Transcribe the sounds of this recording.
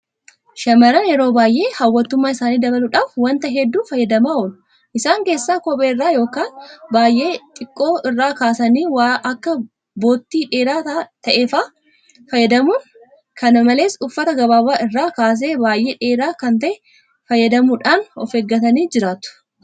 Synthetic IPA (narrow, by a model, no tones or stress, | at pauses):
ʃɐmɐɾɐnjɛɾo̞ːbaːjʔe̞ːhɐwːɐt̪ːʊmːaːɪsaːniːd̪ɐβɐlʊᶑaːfwɐnt̪ɐɦɛd̪ːuːfɐjɐd̪ɐmaːoːl | ʔɪsaːŋke̞ːsːaːkɔpʼeːɪrːaːjo̞ːkaːnbaːjʔe̞ːt̪ʼɪkʼːo̞ːʔɪrːaːkaːsɐniːwʔɐkːɐ | bo̞ːt̪ːiːᶑeːɾaːt̪ɐʔeːfaː | fɐjːɐd̪ɐmuːn | kɐnɐmɐle̞ːsʊfːɐt̪ɐɡɐβaːbaːɪrːaːkaːs̬e̞ːbaːjʔe̞ːᶑeːɾaːkɐnt̪ɐʔɛ | fɐjːɐd̪ɐmʊᶑaːnɔ̰feːɡːɐt̪ɐniːd͡ʒɪɾaːt̪ʊ̥